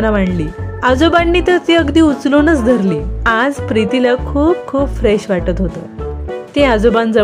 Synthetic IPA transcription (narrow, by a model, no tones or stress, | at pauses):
naʋaɳliːad͡zobanːiːt̪əɾt͡seəɡd̪iːut͡slonət͡sd̪ʱəɾliad͡zpɾit̪ilakʰuːp̚kʰuːpfɾɛɕʋaʈət̪ɦot̪ə̰t̪ẽad͡zobãnd͡zə